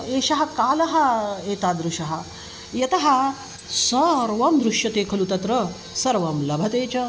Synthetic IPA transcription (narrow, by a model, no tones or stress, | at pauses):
eːʃɐɦɐ̆kaːlɐɦɐ̆eːt̪aːd̪ɾuʃɐɦɐ̆ | jɐt̪ɐɦɐ̆ | sɐɾʋɐmd̪ɾuʃjɐt̪eːkʰɐlut̪ɐt̪ɾɐ | sɐɾʋɐmlɐbʱɐt̪eːt͡ʃɐ